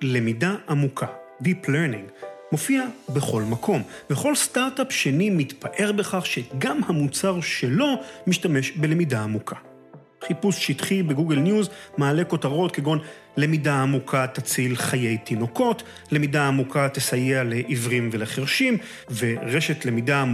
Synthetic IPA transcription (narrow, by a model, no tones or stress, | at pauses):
le̞midaamukʰadipleɾnḭ̃ŋɡmo̞fiabeχo̞lmakʰo̞mveχo̞lstaʁtapʃe̞nimitpaʔe̞ʁbeχaχʃeɡamhamut͡saʁʃe̞lo̞miʃtame̞ʃbele̞midaːmukʰa | χipusʃitχibe̞ɡuɡelnjuzmaːle̞ko̞taʁo̞tkeɡo̞n | le̞midaːmukʰat̪at͡silχajejt̪ino̞ko̞t | le̞midaːmukʰat̪esajeale̞ʔivʁimve̞leχeʁʃim | veʁeʃe̞tle̞mida